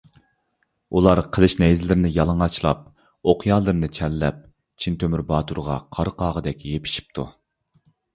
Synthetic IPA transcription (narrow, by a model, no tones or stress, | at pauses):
ulˠɑɾqʰəlˠɨʃnɛjzɪlɪɾɪnɪjɑlˠəŋɑt͡ʃʰlˠɑ̰p̚ | oqʰjɑːlˠɨɾnɨt͡ʃʰɛlːɛp̚ | t͡ʃʰint̪ʰømyɾbɑːt̪ʰuɾʁɑqʰɑɾqʰɑːʁəd̪ɛkʲjepʰɪ̥ʃi̥p̚t̪ʰṵ